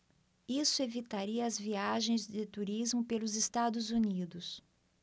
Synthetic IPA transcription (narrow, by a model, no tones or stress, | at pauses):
isʊevit̪aɾiɐːzviaʒẽj̃zd͡ʒɪt̪uɾizmʊpelʊzest̪ad̪ʊzunid̪ʊs